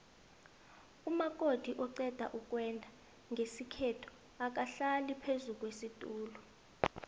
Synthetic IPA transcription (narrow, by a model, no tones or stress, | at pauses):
umak̬ʼod̥ʱiʔɔǀɛd̥ʱa̰ʔuk̬ʼwɛndʱa | ŋɡʱesikʰɛtʰɔ̥ | ak̬ʼaɬalipʰezuk̬ʼwesitʼuːlɔ